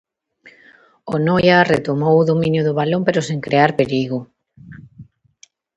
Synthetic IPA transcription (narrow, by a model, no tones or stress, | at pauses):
onojaret̪omowʊðomĩnjʊðʊβalompeɾoseŋkɾeaɾpeɾiɣʊ